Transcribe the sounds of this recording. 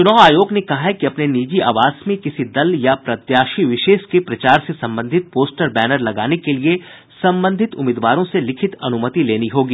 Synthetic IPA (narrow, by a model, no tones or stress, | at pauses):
t͡ʃʊnaːʊaːjoːɡnekɐɦaɦɛkiɐpneniːd͡ʒia̰ːʋaːsmẽkɪsid̪ɐljapɾɐt̪jaːʃiʋɪʃeːʃkepɾɐt͡ʃaːɾsesɐ̃mbə̃nd̪ʱɪt̪̚poːsʈəɾbɛːnəɾlɐɡaːnekelie | sɐ̃mbə̃nd̪ʱɪt̪ʊ̰mɪːd̪ʋaːɾõselɪkʰɪt̪ɐnʊmət̪ileːniɦoːɡiː